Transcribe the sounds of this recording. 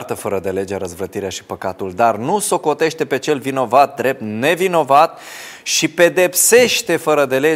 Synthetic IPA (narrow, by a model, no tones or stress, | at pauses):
t̪əfəɾəd̪e̞le̞d͡ʒeaɾəzvɾət̪iɾeaʃi̥pəkat̪uld̪arnuso̞ko̞t̪e̞ʃt̪e̞pe̞t͡ʃe̞lvino̞vat̪̚d̪ɾe̞p̚t̪ne̞vino̞vat̪̚ | ʃipe̞d̪e̞pse̞ʃt̪e̞fəɾəd̪e̞le